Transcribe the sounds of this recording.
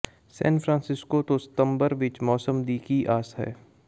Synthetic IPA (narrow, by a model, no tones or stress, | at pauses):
sɛ̰ːnfʰɾãːnsɪskot̪osɪ̥t̪ə̃mbəɾʋɪt͡ʃmɔːsəmd̪iːkiʔaːsɦɛ̰ː